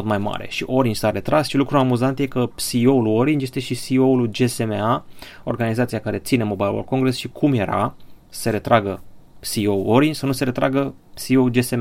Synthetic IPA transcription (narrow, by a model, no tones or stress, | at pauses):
ot̪majma̰ɾe̞̰ʃiʔo̞ɾind͡ʒʲsaɾe̞t̪ɾasʃilukɾuamuzant̪je̞kəsiouluoɾind͡ʒje̞st̪eʃisioulud͡ʒe̞semea | o̞̰rɡanizat̪siakaɾe̞t̪sine̞mo̞bajlorko̞ŋɡɾe̞sʃikʰumje̞ɾa̰̥ | seɾe̞t̪ɾaɡəsiowoɾind͡ʒsənuse̞ɾe̞t̪ɾa̰ɡə | siowd͡ʒesem